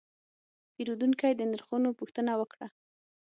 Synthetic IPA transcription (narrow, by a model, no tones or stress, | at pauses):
peɾud̪unkajd̪ənaɾxunopuxt̪ənawəkɽa